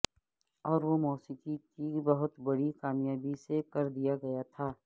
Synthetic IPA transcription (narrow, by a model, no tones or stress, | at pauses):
ɔːɾʋomɔːsɪt̪ikibɐɦʊt̪bɐɽikaːmjaːbisekɐɾd̪ijaɡɐjat̪ʰaː